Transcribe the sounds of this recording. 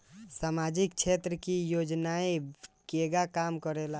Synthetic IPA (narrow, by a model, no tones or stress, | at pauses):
samad͡ʒik̚t͡ʃʰet̪ɾəkijoːd͡ʒnaekeɡakamkəɾela